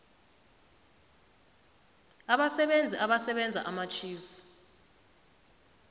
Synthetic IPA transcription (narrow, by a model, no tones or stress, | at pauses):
aɓasɛɓend͡zʱiʔaɓasɛɓɛnd͡zʱa̰ʔamat͡ʃʰiːfu̥